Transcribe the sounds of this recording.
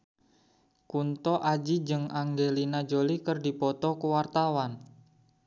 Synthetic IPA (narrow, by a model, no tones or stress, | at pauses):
kunt̪ɔʔad͡ʒid͡ʒɨŋaŋɡelinad͡ʒolikərdipɔt̪ɔkəwart̪awan